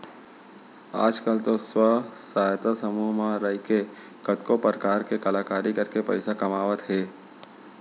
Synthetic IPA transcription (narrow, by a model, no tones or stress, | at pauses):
a̰ːd͡ʒkəlt̪oswəsaːjt̪asəmuːɦmãɾəɦike | kət̪kopəɾkaːɾkekəlaːkaːɾikəɾkepə̰ɪsakɐmaːʋət̪ɦɛː